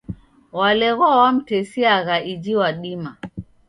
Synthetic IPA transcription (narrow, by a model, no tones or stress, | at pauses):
walɛɣɔwam̩tɛsiaɣaʔid͡ʒiwaɗima